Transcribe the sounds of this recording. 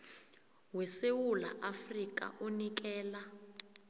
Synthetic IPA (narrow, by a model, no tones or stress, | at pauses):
wɛsewula̰ʔafrikʼa̰ʔonik̬ɛːla